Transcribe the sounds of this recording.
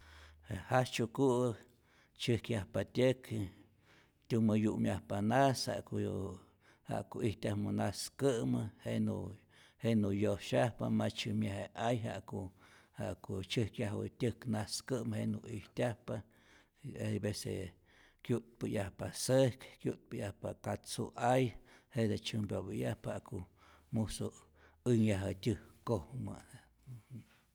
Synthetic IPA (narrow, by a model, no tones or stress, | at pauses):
ehat͡ʃuku | t͡ʃɨhkjahpat̪ʲək | t̪ʲumɨjuʔmjahpanasha̰k | ha̰ʔkoʔiht̪ʲahmunaskɨʔmɨhenṵ | henujoʃahpa̰mat͡ʃɨmjaheajɦa̰ʔkohaʔkot͡ʃɨhkjaɦwɨ̰t̪ʲɨknaskɨʔmheʔnuʔihtʲahpa | ebesḛ | kʲjut̪̚pɨjahpasehkkjut̪̚pɨjahpakat͡sṵʔajhed̪et͡ʃɨmbʲobɨjahphaʔko | muso | ɨŋjaɦɨtʲɨhkohmɨ̰